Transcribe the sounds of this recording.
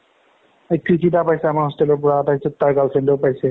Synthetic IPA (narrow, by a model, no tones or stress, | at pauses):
ejkɹitʰitapajsɛamaɹɦɔstɛlɔɹpɔɹaataɦisɔttaɹɡalsendowpajsɛ